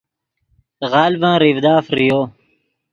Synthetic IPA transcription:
ɣaːlbãːɾivd̪aːfɾijoː

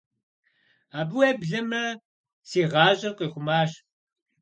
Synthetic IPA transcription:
aːbɨweːbɮɐmɐ | siːʁɑːɕʼɪrqiːχʷʊmaːɕ

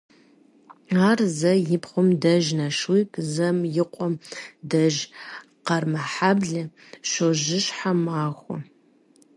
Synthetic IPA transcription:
aːrzɐjɪpχʷʊmdɐʒnɐʂwipʰzɐmjɪqʷʼɔmdɐʒ | qɐrmɐħabɮɨ | ʃoʒɪʃħamaːχʷɔ̰

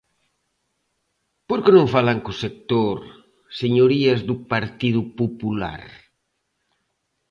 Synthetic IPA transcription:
poɾkenõŋfalaŋkusek̚t̪oɾ | seɲoɾiɐzðupaɾt̪ið̞upupula̰ɾ

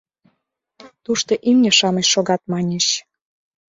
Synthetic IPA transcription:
t̪uʃt̪oʔimnʲeʃɑməɕʃoɣɑt̪̚mɑnʲeɕ

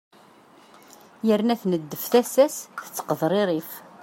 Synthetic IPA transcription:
jəɾnæθnəd̪ːəfθæsæsθə̥t͡sːə̥qəðˤɾˤeɾˤif

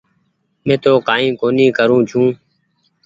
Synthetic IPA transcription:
mẽːt̪oːkaːĩːkoːnĩːkəɾũːt͡ʃʰũː

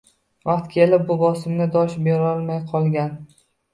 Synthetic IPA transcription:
vɑqt̪kʲʰe̞lɪp̚bʊbɒsɪmnɪd̪ɒʃbeɾɒlˠmajqʰɒlˠɡʲan

